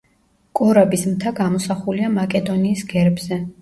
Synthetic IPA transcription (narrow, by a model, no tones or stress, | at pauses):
kʼɔɾabismt̪ʰaɡamɔsaχuliamakʼɛd̪ɔniːsɡɛɾbzɛ